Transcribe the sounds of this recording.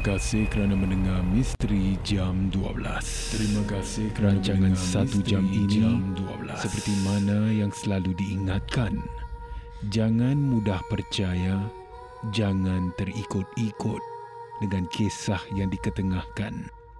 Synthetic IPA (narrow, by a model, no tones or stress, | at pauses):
kasɪhkəɾanamə̃nəŋarmist̪ɾid͡ʒamdua̰bəla̰s | t̪ɾimakasɪkəɾat͡ʃaŋãnsat̪ud͡ʒaminiduablasəpərt̪imanajaŋsəlaludiːŋat̪̚kan | d͡ʒaŋãnmudahpərt͡ʃaja | d͡ʒaŋãnt̪ərikʊt̪̚ikʊt̪̚ | dəŋãnkʰesahjaŋdikət̪əŋahkan